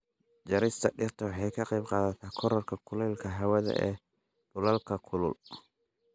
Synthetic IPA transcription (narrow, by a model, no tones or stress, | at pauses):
d͡ʒɐɾɪst̪ʰɐ̰ɗɪrt̪ʰɐwɑħɑjkʰɐqɛbqɑːðɐt̪ʰaːkʰɔɾɐrkʰɐkʰʊlɛlkʰɐɦɐwɛðɐ̰ʔɛ̰ː | bʊlɐlkʰɐkʰʊlʊ̰l